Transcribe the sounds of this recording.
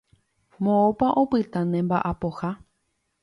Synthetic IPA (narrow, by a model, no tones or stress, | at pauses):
mõopaʔõpɨt̪ãnẽmbaʔapoha